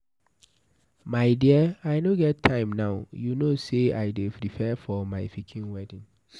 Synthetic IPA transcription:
maɪdiaɪnoɡɛttʰːãɪ̃mnaʊjunosea̰ɪdepɾifɛfɔmaɪfikʰĩnwɛdĩn

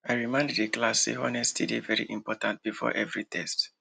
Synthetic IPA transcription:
aɪɹimãɪ̃nddeklasḛhɔnɛstʰidevɛɹḭʔĩmpɔtãnt̚b̥ifɔ̰ʔɛvɹitʰɛst

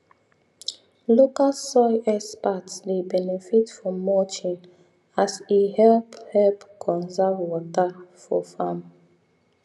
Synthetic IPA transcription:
lokalsɔɪʔɛspatslebɛnefitfɹɔ̃mːɔt͡ʃĩn | asihɛlphɛlpkʰɔ̃nzabwɔtafɔ̰fam

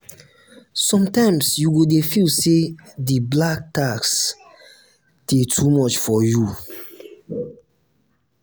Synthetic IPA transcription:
sɔ̃mtãɪ̃msjuɡodefilsediblak̚taks | d̥etʰumɔt͡ʃfɔju

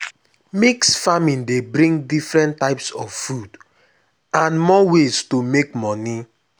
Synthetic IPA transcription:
miksfamĩndebɾĩŋdifɾɛ̃ntːaɪpsɔffud | ãnmɔwestomekmɔni

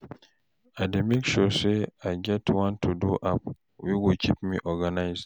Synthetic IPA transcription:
ademekʃuseaɪd͡ʒɛtwɔ̃ntʰːuduʔap | wiwukʰipmḭʔɔɡanaɪzd

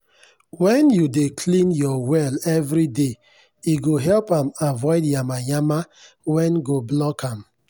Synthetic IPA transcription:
wɛ̃njudekʰlĩnjɔwɛlɛvɾide | iɡoɦɛlpãmavɔɪdjamajama | wɛ̃nɡoblɔkʰãm

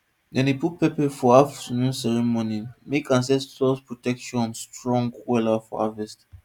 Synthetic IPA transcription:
dɛ̃niput̚pɛpɛfɔavsnũsɛɹimɔnimekãns̬ɛstʰɔspɹɔtɛkʃɔ̃nstɹɔ̃ŋɡwɛlafɔ̰a̰vɛst

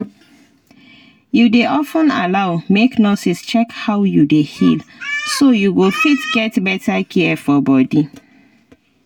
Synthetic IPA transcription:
judeʔɔfə̃na̰laʊmeknɔsist͡ʃɛkhawjudehilsojuɡofitɡɛtbɛtakʰɛɛfɔbɔdi

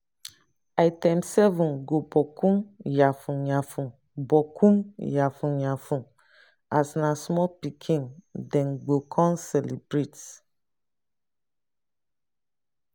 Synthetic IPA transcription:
ajtɛmsɛvũnɡobɔkʰũmjafũɲãfũ | bɔkʰũmjafũɲãfũ | asnãsmɔpikʰĩŋdɛ̃nɡ͡bokʰɔ̃nsɛlibɾet

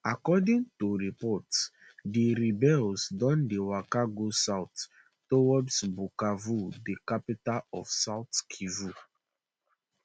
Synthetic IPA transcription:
akɔdĩŋtuɹipɔts | diɾibɛlsdɔ̃ndewakaɡosaʊtː | owɔdsbukavudikapitalɔfsaʊtkʰivu

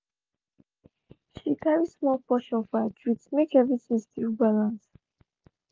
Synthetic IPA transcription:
ʃikʰaɹismɔlpɔʃɔ̃nfɔətʰɹitmekɛvɹisɛ̃nsi̥tʰivbalãns

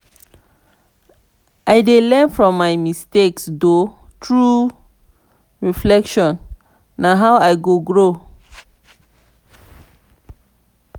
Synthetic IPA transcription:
ʔajdelɛ̃nfɹɔ̃mːajmisteksdo | tʰɹu | ɹiflɛkʃɔ̃nː | aɦawajɡoɡɹo

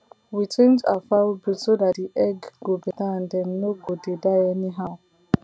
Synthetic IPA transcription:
wit͡ʃẽnd͡ʒa̰fabisodat̚diʔɛɡɡobɛtaãndɛ̃nːoɡɔdidaɪɛniɦaʊ

